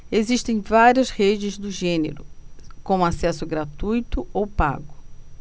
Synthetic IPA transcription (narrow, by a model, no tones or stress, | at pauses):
eziʃt̪ẽj̃vaɾiɐshed͡ʒɪzd̪ʊʒẽnḛɾʊ̰kõũasɛsʊɡɾat̪ujt̪ʊowpa̰ɡʊ